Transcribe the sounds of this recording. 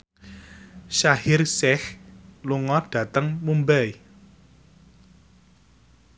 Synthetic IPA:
ʃahɪrsɛhluŋɔɖ̥ä̤t̪əŋmumbɛj

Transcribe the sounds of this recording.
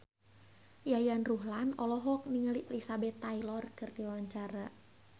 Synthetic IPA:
jajanruɦlanɔlɔɦɔk̚niŋaliʔɛlisabɛt̪ːailɔrkɨrdiwaɲt͡ʃaɾa

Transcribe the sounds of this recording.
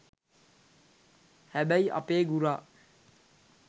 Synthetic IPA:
hɛbəja̰peɡuɾa

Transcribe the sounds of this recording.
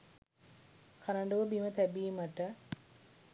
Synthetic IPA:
kʰaɾɐɳɖuʋəbimət̪æbiːməʈə

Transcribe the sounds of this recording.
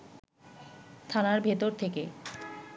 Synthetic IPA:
t̪ʰanaɾbʱet̪oɾt̪ʰeke

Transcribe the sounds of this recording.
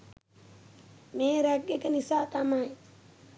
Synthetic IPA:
meːɾæɡekənisaːt̪amaj

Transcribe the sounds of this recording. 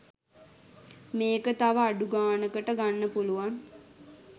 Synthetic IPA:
meːkət̪aʋəaɖuɡaːnəkəʈəɡanːəpuluʋan

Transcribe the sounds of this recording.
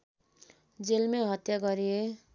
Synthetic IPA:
d͡zelmeɦʌt̪jaɡʌɾie

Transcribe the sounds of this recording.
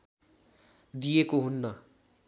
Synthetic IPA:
d̪ijekoɦunːʌ

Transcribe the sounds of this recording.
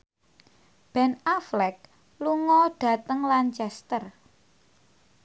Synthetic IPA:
b̥ɛ̤naflɛk̚ | luŋɔɖ̥ä̤t̪əŋlant͡ʃɛst̪ər

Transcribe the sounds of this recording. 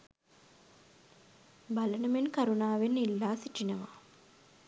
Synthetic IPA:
balənəmenkaɾunaːʋenːilːaːsiʈinəʋa̰

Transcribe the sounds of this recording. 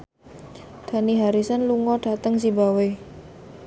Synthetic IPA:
d̪̥a̤niɦaɾisanluŋɔɖ̥at̪əŋsibawe

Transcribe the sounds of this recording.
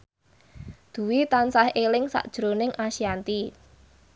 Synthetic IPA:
d̪̥ṳwit̪ansahelɪŋsa̰ʔd̥ʒ̥ɾonɪŋʔasiant̪i

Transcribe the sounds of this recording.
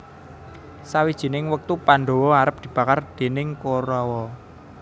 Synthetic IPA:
sawid̥ʒ̥i̤nɪŋwək̚t̪upanɖ̪o̤wɔaɾəp̚d̪̥i̤b̥ä̤kard̪̥e̤nɪŋkoɾɔwɔ

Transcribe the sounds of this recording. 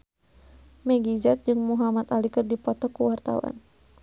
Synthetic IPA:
mɛɡizɛt̪̚d͡ʒɨŋmuɦamat̪alikɨrdipɔt̪ɔkuwart̪a̰wa̰n

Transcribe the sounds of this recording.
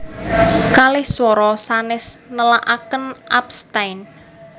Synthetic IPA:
kalɪhswɔɾɔsanɪsnəlaʔakənʔapst̪ajn

